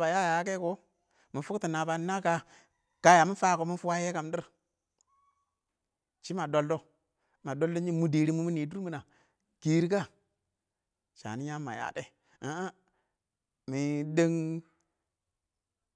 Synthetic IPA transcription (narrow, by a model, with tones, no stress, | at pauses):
ba˨ja˦ja˨˦ke˦ko˦ | mi˨fu˦kti˨na˨ba˨˦na˦ka˦ | ka˨ja˨mi˦fa˦ko˨mi˦fu˦wa˦je˦ka˨mdi˦ɾ | t͡ʃi˦ma˨do˨ldo˦ | ma˨do˦ldo˦ɲi˦mu˨de˨ɾi˦mu˦mi˦ni˨du˦ɾmi˨na˨ | ki˨ɾi˦ka˦ | t͡ʃa̰˨ni˦ɲa˦ma̰˨ja̰˨de˦ | a˦a˦ | mi˨de˦ŋ